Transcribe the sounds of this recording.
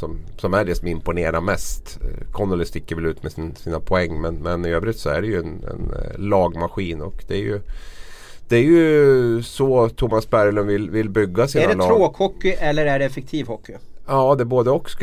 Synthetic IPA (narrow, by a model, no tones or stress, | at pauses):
sɔmsɔmæɖɛsɔmɪmpʊneːɾaɾmɛst̪kʰɔnːʊlɪst̪ɪkːəɾvɛlʉ̟ːt̪mɛsnsiːnapʰɔɛŋːmɛnmɛnɪøːbɾɪt̪sɔæ̰ɖɛjɵɛnɛ̰nlɑːɡmaɧiːnɔkd̪ɛæjɵ̰ | d̪̥ɛæɾjɵ | sɔt̪ʰʊmasbæɾlɵnvɪlvɪlbʏɡːasiːɖ̪ɛlɑɾoːkʰɔkːʏʔɛlːəɾæɖɛɛfɛk̚t̪ʰiːvhɔkːɪɑːd̪ɛboːd̪əɔkːs